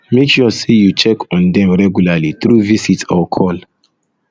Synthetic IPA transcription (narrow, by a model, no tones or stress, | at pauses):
mekʃusejut͡ʃɛkɔ̃ndɛ̃mɹɛɡjulalit̪ɾuvisitɔkʰɔl